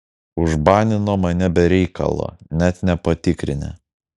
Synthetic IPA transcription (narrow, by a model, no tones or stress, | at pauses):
ʊʒbɑːnʲɪnoːmɐnʲɛbʲɛɾʲɛɪkʰɐ̰lˠo̰ːnʲɛt̪nʲɛpɐt̪ʲɪkɾʲɪ̰nʲɛ̰